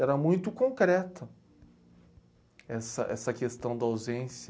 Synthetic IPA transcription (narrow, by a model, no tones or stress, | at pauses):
ɛɾɐmũj̃t̪ʊkõŋkɾɛt̪ɐ | ɛsɐ̰ʔɛsɐkest̪ɐ̃w̃d̪ɐawzẽsj